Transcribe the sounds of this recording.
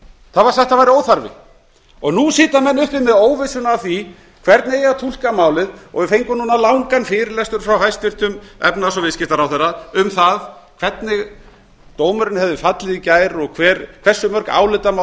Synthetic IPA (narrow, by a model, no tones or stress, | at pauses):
θaðvaɾ̥θɛht̪avajɾɪoːwθaɾvɪ̰ | ɔɣnusɪːt̪amɛnːʏhp̪ɪmɛðoːwvɪsʏnavθi | kʰvɛɾt̪nejat̪ʰul̥kamaːwlɪðɔ̰ɣvɪfejŋkʏmnuːnalawŋkanfɪːɾɪlɛst̪ʏɾ̥fɾawhajst̪vɪr̥t̪ʏmɛ̰pnasɔvɪðscɪht̪aɾawθɛrːaʏmθaðkʰv̥ɛt̪nɪɣ | t̪oːwmʏɾɪnhɛvðʏfat̪lɪðicaːjɾɔɣkʰv̥ɛːɾkʰvɛ̥sːʏmœɾ̥ka̰ːwlɪt̪ama